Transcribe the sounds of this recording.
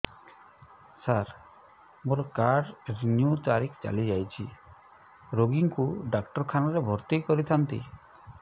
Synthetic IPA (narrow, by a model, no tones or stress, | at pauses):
saɾ | moɾɔkaɾɖɾinjut̪aɾikʰt͡ʃa̰lid͡ʒajt͡ʃʰi | ɾoɡiŋkuɖakʈɔɾkʰanɔɾebʱɔɾt̪ikɔɾit̪ʰant̪ḭ